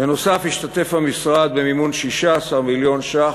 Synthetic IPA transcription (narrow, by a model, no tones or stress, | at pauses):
eno̞safhiʃt̪at̪e̞fhamisʁad̪̚bemimunʃiʃaːsaʁmiljo̞nʃa